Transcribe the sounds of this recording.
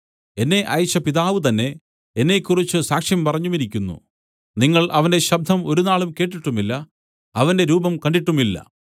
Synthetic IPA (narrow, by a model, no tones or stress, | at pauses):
e̞nːe̞ʔɐːjt͡ɕːɐpiðaːʋɨt̪̬ɐnːe̞ | enːe̞kʲːurit͡ɕːɨsaːkʂjɐmpɐrɐɲːumiɾikʲːunːṵ | niŋːɐɭʔɐʋɐnde̞ɕɐb̚d̪ʱɐmo̞ɾunaːɭumke̞ːʈ̬ːiʈːumilːɐ | ɐʋɐnde̞ɾuːbɐmkɐɳɖiʈːumilːɐ̰